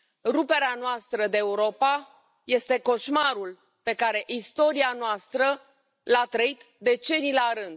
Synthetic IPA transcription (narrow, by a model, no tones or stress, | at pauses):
rupe̞ɾeanoast̪ɾəd̪eːuɾo̞pa | je̞st̪e̞ko̞ʃmaɾul | pe̞kaɾe̞ʔist̪o̞ɾianoast̪ɾə | lat̪ɾəit̪ | d̪e̞t͡ʃe̞nilaɾɨnd̪